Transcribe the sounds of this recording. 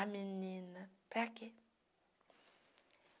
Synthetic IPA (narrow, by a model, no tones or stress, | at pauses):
amininəpake